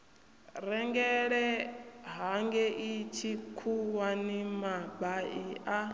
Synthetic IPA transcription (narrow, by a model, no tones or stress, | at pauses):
ɾɛŋɡɛɺɛɦaŋɡɛʔit͡ʃʰikʰuwanimabaiʔa